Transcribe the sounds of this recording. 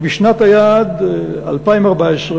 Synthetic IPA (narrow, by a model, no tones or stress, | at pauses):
biʃnat̪hajad̪a̰lpaimaʁbaesʁ